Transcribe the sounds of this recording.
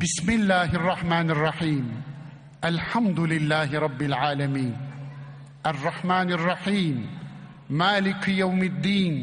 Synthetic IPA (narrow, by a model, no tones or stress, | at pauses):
bɪsmɪlːaːɦɑrˤːɑħmaːnɑrˤːɑħiːm | ʔalħamd̪ʊlɪlːaːhɪɾˤɑbːɪlʕaːlamiːn | ʔɑrˤːɑħmaːnɪrˤːɑħiːmː | aːlɪkjawmɪd̪ːiːn